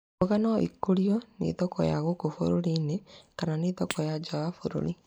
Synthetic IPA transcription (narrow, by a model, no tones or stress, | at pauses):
oɣanɔʔḭkoɾiɔnḛðɔkɔ̰ja̰ɣokofo̰ɾoɾiːnekananeːðɔkʰɔjad͡ʒaafoɾo̰ɾi